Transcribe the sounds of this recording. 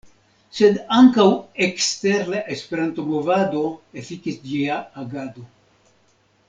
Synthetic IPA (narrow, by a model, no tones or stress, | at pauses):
se̞d̪aŋkawekst̪eɾlaʔespe̞ɾant̪omovad̪o̞efikisd͡ʒiaːɡad̪o̞